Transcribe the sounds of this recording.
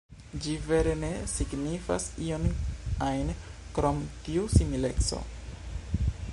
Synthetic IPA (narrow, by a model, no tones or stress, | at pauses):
d͡ʒive̞ɾe̞ne̞siɡnifa̰sionajnkɾomtiusimile̞kso̞̰